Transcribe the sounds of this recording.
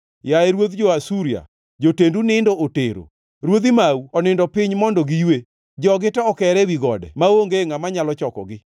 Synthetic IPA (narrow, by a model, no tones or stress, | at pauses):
jaɛɾwot̪d͡ʒoasuɾia̰ | d͡ʒotendunɪndooteɾo̰ | ɾwod̪ɪmauɔnɪndɔpɪɲmɔndɔɡijwe | d͡ʒɔɡɪtɛɔkɛɾɛwiɡɔdɛ̰maoŋɡeŋamaɲalɔt͡ʃɔkɔ̰ɡɪ